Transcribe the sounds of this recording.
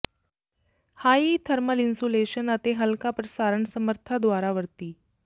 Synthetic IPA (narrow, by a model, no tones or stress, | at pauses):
haːit̪ʰəɾməlinsuleɕənət̪eɦəlkapɾəsaɾəɳsəməɾt̪ʰad̪ʋaɾaʋəɾt̪iː